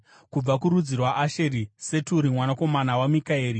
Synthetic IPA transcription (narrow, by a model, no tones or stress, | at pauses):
kub͡vakuɾud͡zirwaʔaʃeɾise̞tuɾimwanako̞manawamikaeːɾi